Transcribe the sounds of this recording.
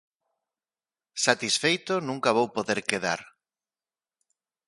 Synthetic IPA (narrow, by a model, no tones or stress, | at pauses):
sat̪isfejt̪ʊnũŋkaβowpoðeɾkeða̰ɾ